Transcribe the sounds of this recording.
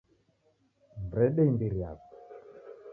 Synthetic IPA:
mbɾɛɗembiɾja̰k

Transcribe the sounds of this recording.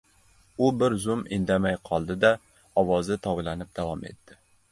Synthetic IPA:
ʊbɪɾzʊmɪ̰nd̪amajqʰɒlˠd̪ɪd̪a | ɒwɒzɪt̪ʰɒwlˠanɪp̚d̪̥avɒme̞̰t̪ːɪ

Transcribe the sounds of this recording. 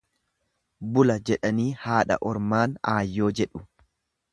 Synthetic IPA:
bʊlɐd͡ʒɛᶑɐniːhaːᶑɐ̰ʔɔɾmaːnaːjːo̞ːd͡ʒɛᶑʊ

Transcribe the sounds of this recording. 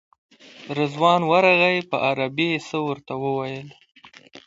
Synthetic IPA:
ɾəzwɑnwaɾaɣajpəʔaɾabesəwəɾt̪awəwajəl

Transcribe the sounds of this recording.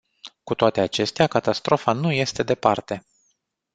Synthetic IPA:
kut̪oat̪e̞at͡ʃe̞st̪eakat̪ast̪ɾo̞fanuje̞st̪e̞d̪e̞part̪e̞

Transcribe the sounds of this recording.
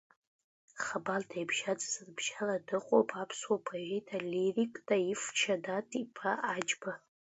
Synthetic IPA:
χabaldʰajbʒ̥ad͡zʼzɨrbʒ̥aladɨqʷʼo̰wpʰʼapʰswopʰaʒejtʰalirikʼtʼaift͡ʃʰadatʼipʰaad͡ʒʼba

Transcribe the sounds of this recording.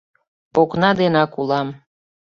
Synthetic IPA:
oknɑd̪enɑkulɑm

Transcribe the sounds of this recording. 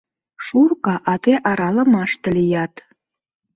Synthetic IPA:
ʃurkɑʔɑt̪eʔɑɾɑlə̆mɑʃt̪ə̆lejɑt̪

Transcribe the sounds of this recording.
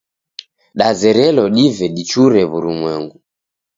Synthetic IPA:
ɗazɛɾɛlɔɗivɛɗit͡ʃuɾɛβuɾumwɛŋɡu

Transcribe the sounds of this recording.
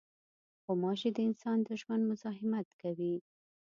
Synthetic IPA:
xomɑʃed̪əɪnsɑnd̪əʒwand̪mʊzɑɦɪmat̪kawi

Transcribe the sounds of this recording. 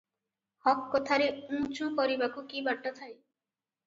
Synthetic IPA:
hɔkːɔt̪ʰaɾeũt͡ʃũkɔɾibakukibaɽʈat̪ʰaj

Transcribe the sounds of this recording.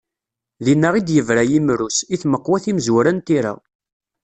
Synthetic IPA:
ðinːəʁid̪jəvɾæjimɾusiθməqːwæθimzwɾænt̪iɾa̰

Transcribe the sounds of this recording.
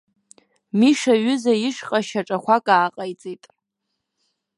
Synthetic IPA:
miʂaɥʏzajɪʂqʼaʃaʈ͡ʂʼaχʷakʼaːqʼajt͡sʼitʼ

